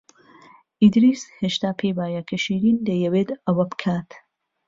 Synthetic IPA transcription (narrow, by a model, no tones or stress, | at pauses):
ʔid̪ɾisheʃt̪aːpʰeːbaːjɐkʰɐʃiːɾiːnd̪ɐjɐweːt̪ɐwɐbɨkʰaːt̪